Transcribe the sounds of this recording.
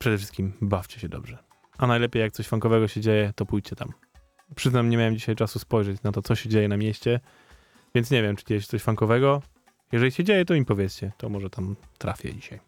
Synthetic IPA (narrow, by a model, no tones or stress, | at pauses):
pʂɛd̪ɛfʂɘst̪kʲimbaft͡ɕɛ̥ɕɛd̪ɔ̰bʐɛ | ʔanajlɛpʲjejak̚t̪ɔɕfaŋkɔvɛɡɔɕɛd͡ʑejɛt̪ɔpujt͡ɕt͡ɕɛt̪a̰m | pʂɘznamɲɛmʲawɛmd͡ʑiɕajt͡ʂasuspɔjʐɛt͡ɕnat̪ɔt̪sɔɕɛd͡ʑejɛnamʲjeɕt͡ɕɛ | vʲɛntsɲɛvʲjɛmt͡ʂɘ̥d͡ʑejɛɕ̬ɛt̪sɔɕfaŋkɔvɛɡɔ | jɛʐɛlʲiɕɛd͡ʑejɛt̪ɔimpɔvʲjɛt̪st͡ɕɛt̪ɔmɔʐɛt̪amt̪ɾa̰fʲjɛ̰d͡ʑiɕaj